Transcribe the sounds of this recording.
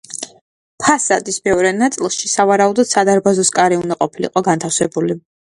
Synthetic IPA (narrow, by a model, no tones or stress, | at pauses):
pʰasad̪ismɛɔɾɛnat̪sʼilˠʃisavaɾaud̪ɔd̪̥sad̪aɾbazɔskʼaɾiund̪aqʼɔpʰilḭqʼɔɡant̪ʰafsɛbuli